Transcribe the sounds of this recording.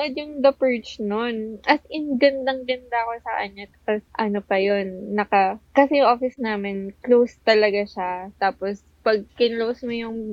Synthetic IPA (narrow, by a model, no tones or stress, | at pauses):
ŋɐd̪jʊŋd̪ɐpɛɹt͡ʃnonʔɐt̪ɪŋɡɐnd̪aŋɡɐnd̪aɐko̞sɐʔɐ̰ɲːot̪ɐ̥posʔɐnopɐjo̞nːɐkɐkɐsɛjʊŋʔoːfɪsnaːmɪnklowst̪ɐlɐɡaʃat̪aːpos | pɐɡ̚kɪnlowsmojʊŋ